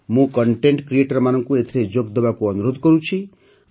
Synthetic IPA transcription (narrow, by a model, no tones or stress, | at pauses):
mũkɔɳʈeɳʈkɾieʈɔɾmanɔŋkuet̪ʰeɾed͡ʒoɡd̪ɔbakuɔnuɾod̪ʱkɔɾut͡ʃʰi